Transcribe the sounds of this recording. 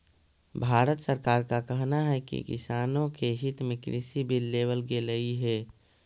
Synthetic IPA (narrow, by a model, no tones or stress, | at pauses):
bʱaːɾət̪səɾkaːɾkakəɦnaɦɛkḭkɪ̰saːnõkeɦɪt̪mẽkɾɪsibʱilːeːwəlɡeləiɦɛː